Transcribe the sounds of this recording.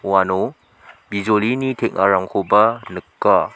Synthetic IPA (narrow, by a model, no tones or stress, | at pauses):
wano | bizolinitʰek̚ʔaɾaŋkʰobɐnɯkːa